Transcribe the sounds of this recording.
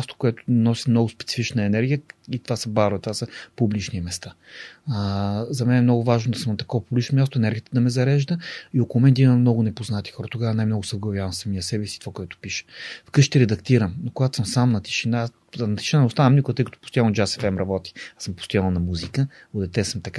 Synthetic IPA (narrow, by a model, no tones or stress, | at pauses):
ast̪o̥kʊɛt̪ʊ̥nɔsʲə̥mnɔɡʊspɛt̪si̥fit͡ʃnəɛnɛɾɡʲijəit̪ovasɐbaɾvɛt̪ovasəpublit͡ʃnimɛst̪a | zɐmɛnɛmnɔɡʊvaʒnod̪ɐsəmnɐt̪ɐ̥kɔvɐpublʲit͡ʃnomʲast̪ʊɛnɛɾɡijət̪əd̪ɐmɛzɐɾɛʒd̪əiokolˠʊmɛnd̪ʲiməmnɔɡʊnɛpoznat̪i̥xɔɾɐt̪oɡavənajmnɔɡʊsəɡlˠɐvʲjavɐnsɐmiəsɛvɛsit̪ovakoʊɛt̪ʊ̥piʃə̥fkɤʃt̪ɛɾɛd̪ɐkt̪iɾəmnokoɡat̪ʊ̥səmsamnɐt̪i̥ʃina | nɐt̪i̥ʃinanɛʊst̪anəmnukət̪ɤjkɐt̪o̥post̪ojand͡ʒasɛ̥fɛmɾɐbɔt̪i̥asəmpo̥st̪ojannɐmuzikə | od̪ɛt̪ɛsəmt̪ɐka